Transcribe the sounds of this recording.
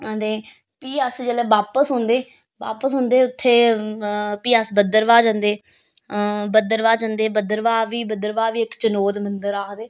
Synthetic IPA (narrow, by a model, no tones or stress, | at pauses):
əd̪eː | piːəsd͡ʒeːleːʋaːpəsɦʊ̃nd̪eː | ʋa̰ːpəsɦʊ̃ːnd̪eːʊt̪ʰːeː | piːəsbəd̪əɾʋaːd͡ʒə̃ːnd̪eː | bəd̪əɾʋaːd͡ʒə̃ːnd̪eːbəd̪əɾʋaːʋiːbəd̪əɾʋaːʋiːɪkt͡ʃənoːt̪mənd̪əɾaːkd̪eː